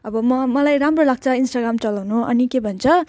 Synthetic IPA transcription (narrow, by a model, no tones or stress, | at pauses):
ʌbʌmʌmʌlajɾamrolaɡ̚t͡sʰʌinsʈaɡramt͡sʌlawnuʔʌ̰nikebʱʌnt͡sʰʌ